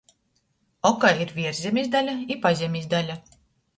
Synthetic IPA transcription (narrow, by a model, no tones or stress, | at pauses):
ɔkaiɾvʲiɛɾzʲemʲizʲd̪alʲaipazʲemʲizʲd̪alʲa